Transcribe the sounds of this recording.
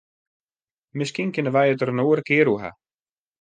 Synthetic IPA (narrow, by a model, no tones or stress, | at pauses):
mɪskinkjɪnəʋajətəɾənoːəɾəkɪːɾuɦa̰